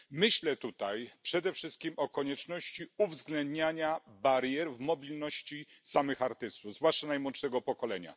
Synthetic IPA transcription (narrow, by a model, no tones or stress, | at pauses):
mɘɕlɛt̪ut̪ajpʂɛd̪ɛfʂɘst̪̚kʲimʔɔkɔɲɛt͡ʂnɔɕt͡ɕiuvzɡlɛnd̪ɲaɲabaɾjɛɾvmɔbʲilnɔɕt͡ɕisamɘxaɾt̪ɘst̪uvzvwaʂt͡ʂanajmwɔnt̪ʂɛɡɔpɔkɔlɛɲa̰